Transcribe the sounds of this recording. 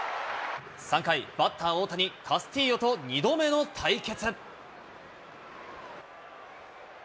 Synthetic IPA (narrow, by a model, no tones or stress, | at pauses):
sãŋkaib̥at̪ːaoːt̪aɲ̟ikʰasɨ̥t̪ʲiːjo̞t̪o̞ɲ̟ʲid̪o̞me̞no̞t̪ʰaike̞t͡sɨ